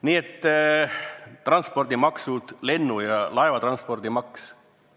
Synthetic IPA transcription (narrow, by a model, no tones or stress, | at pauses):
niːet̪ː | rɑnspo̞rd̪̥imɑksud̪̥le̞nːujɑlɑevɑt̪rɑnspo̞rd̪̥imɑks